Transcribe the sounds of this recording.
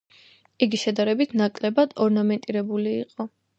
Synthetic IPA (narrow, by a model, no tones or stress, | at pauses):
iɡiʃɛd̪aɾɛbit̪ʰnakʼlɛbad̪̥ɔɾnamɛnt̪ʼiɾɛbuliːqʼɔ